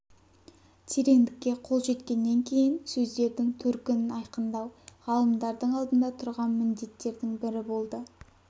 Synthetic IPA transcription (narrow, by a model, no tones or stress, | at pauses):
t̪ʰeɾe̞ŋd̪ɪkʲːe̞qʰo̞lˠʒe̞t̪kʲe̞nːe̞ŋkʲʰe̞jɪnsɵzd̪e̞ɾd̪ɪŋt̪ʰɵɾkʲɪnɪnɑjqənd̪ɑwʁɑlˠəmd̪ɑɾd̪əɴɑlˠd̪ənd̪ɑt̪ʰʊɾʁɑnmɪnd̪e̞t̪ːe̞ɾd̪ɪŋbɪɾɪbo̞lˠd̪ə